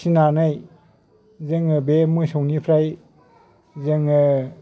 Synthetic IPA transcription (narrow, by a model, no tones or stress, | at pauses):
sinanaj | zɯŋɯbemɯsɔwnipʰɾaj | zɯŋɯ